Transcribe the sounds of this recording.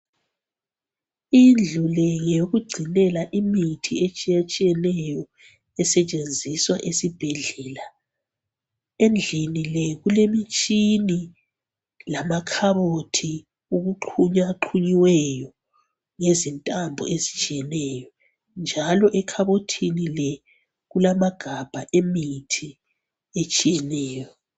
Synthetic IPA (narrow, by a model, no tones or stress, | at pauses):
ind͡ɮʱulɛŋejoɣuɡ͡ǀʱinɛlaʔimitʰiet͡ʃʼijat͡ʃʼijɛnɛjɔ | ɛsɛt͡ʃʼend͡zʱiswa̰ʔesib̥ʱɛɮɛːla | end͡ɮʱinilɛɣulemit͡ʃʼini | lamakʰaβotʰi | uɣuǃʰuɲaǃʰuɲiwɛjɔ | ŋezintʼambʱɔ̰ʔezi̥t͡ʃʼijɛnɛjɔ | nd͡ʒʱalɔʔɛkʰaβotʰinilɛ | ɣulamaɡ̥ʱab̥ʱaʔemitʰi | et͡ʃʼijɛnɛːjɔ